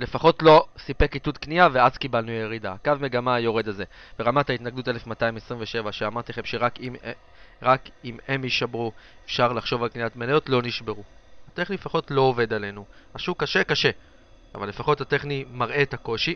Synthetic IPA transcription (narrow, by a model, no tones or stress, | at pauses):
le̞faχo̞tlo̞sipe̞kit̪ud̪kniaveaz̥kibalnuajeʁida̰kavme̞ɡamajo̞ʁe̞daze̞ | beʁamat̪ait̪naɡd̪ute̞lefmataimesʁiɱveʃe̞vaʃeamaʁt̪eχemʃeʁakim | ʁakime̞miʃabʁuefʃaʁlaχʃo̞valknijatmelajo̞tlo̞niʃbe̞ʁuat̪e̞χniefaχo̞tlo̞ːve̞d̪ale̞nuaʃukːaʃe̞kaʃe̞ | a̰valːefaχo̞that̪e̞χnimaʁʔe̞tako̞ʃi